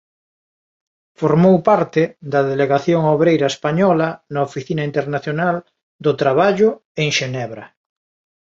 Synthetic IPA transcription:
foɾmowpaɾt̪ed̪ɐðeleɣaθjoŋoβɾejɾɐespaɲɔlanaofiθinaint̪eɾnaθjonal | d̪ʊt̪ɾaβaʎʊeŋʃenɛβɾɐ

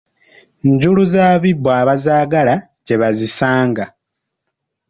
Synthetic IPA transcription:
ɲɟuluzaːβibːwaːβazaːɡala | ɟe̞βazisaːŋɡa

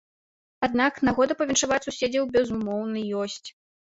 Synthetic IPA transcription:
ad̪̚naknaɣɔd̪ɐpɐvʲɛnʂavat͡sʲsusʲed͡zʲɐwbʲɛzumɔwnɨjɔsʲt͡sʲ

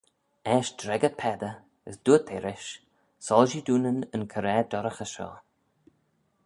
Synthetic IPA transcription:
ɛːʃdɾɛɡəpʰɛd̪ə | əsd̪̥uːət̪ʰɛɾɪʃ | sɔlʒid̪uːnənənkʰəɾɛːd̪ɔɾəxəʃɔ̰ː

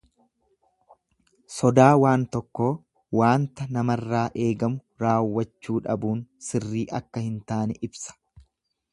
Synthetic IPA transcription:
sɔd̪aːwaːnt̪ɔkːo̞ː | waːnt̪ɐnɐmɐrːaːʔe̞ːɡɐmʊ | ɾaːwːɐt͡ʃːuːᶑɐbuːnsɪrːiːʔɐkːɐhɪnt̪aːnɛʔɪbsɐ̥

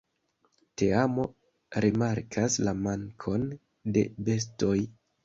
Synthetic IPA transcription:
te̞amo̞ | ɾimaɾkʰaslamaŋkʰo̞n | de̞̰be̞s̬to̞j

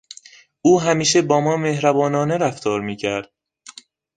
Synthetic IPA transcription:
uːɦæmiːʃebɒːmɒːmehɾæbɒːnɒːneɾæft̪ʰɒːɾmiːcʰæɾd̪̥̚

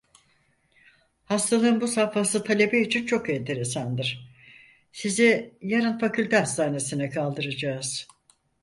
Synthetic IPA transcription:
hast̪ʰalˠɯɯnbusafasɯt̪ʰalʲe̞beit͡ʃʰint͡ʃʰo̞kɛnt̪ʰeɾe̞sand̪ɯɾ̥ | sizɛjaɾanfakʰylʲt̪ɛast̪ʰaːne̞sinɛkʰalˠd̪ɯɾad͡ʒaːz̥

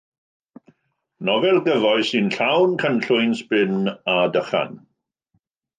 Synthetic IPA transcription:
nɔvɛlˠɡəvɔɨsɨnɬawnkʰənɬʊjnspɪnadəχa̰n

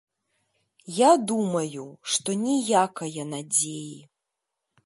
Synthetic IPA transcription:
jad̪umɐjuʂt̪ɔnʲijakɐjɐnad͡zʲeji

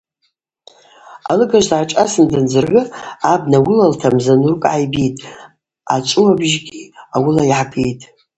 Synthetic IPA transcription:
a̰lɨɡaʒdʕaʈ͡ʂʼasɨndɨnd͡zɨrɡɨab̚nawʊlaltʰamzanurkʼʕajbitʼ | a̰t͡ʃʷʼuwabʒɡʲiawʊlaiħapʰejtʼ

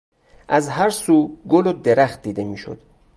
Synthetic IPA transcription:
ʔæzɦæɾsuːɡolod̪eɾæχt̪̚d̪iːd̪e̞miːʃo̰d̪̥

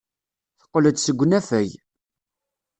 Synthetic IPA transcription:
θə̥qːləd̪səɡʷːnæfæj

